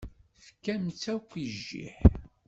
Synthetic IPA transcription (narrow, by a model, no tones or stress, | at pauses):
θə̥kːæmt͡sːækʷːiʒːḭħ